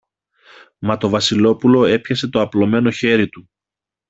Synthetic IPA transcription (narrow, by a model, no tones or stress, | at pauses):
mɐt̪o̞vɐsilo̞pulo̞e̞pçɐse̞t̪o̞ɐplo̞me̞no̞çe̞ɾit̪u